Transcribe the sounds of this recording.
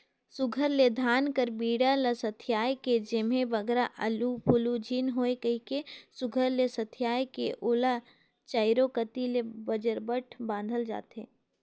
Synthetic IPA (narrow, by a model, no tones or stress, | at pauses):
sʊɡʱəɾled̪ʱaːnkəɾbiːɽaləsət̪ʰɪjaːjked͡ʒemẽbəɡɾaʔɐlupʊlud͡ʒʱiːnɦoːekəikesʊɡʱəɾlesət̪ʰɪjaːjkeʔoːla | t͡ʃaːɪɾokət̪ilebəd͡ʒəɾbəʈʰbãːnd̪ʱəld͡ʒa̰ːt̪ḛː